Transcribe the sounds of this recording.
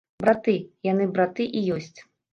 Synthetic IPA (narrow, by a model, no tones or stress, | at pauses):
bɾat̪ɨjanɨbɾat̪ɨʔijɔsʲt͡sʲ